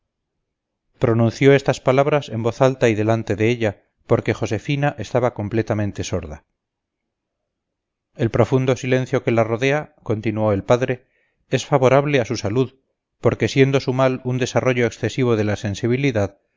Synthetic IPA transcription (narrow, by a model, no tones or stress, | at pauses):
pɾo̞nũn̟θjo̞e̞st̪aspalaβɾase̞mbo̞θalt̪aiðe̞lant̪e̞ðe̞eʎa | po̞ɾke̞xo̞se̞finaʔe̞st̪aβako̞mple̞t̪amẽnt̪e̞so̞ɾða | e̞lpɾo̞fund̪o̞silẽ̞nθjo̞ke̞laro̞ðe̞ako̞nt̪inuo̞e̞lpaðɾe̞ | e̞sfaβo̞ɾaβle̞asusaluð | po̞ɾkesje̞nd̪o̞sumalund̪e̞saro̞ʝo̞eksθe̞siβ̞o̞ðe̞lase̞nsiβ̞iliðað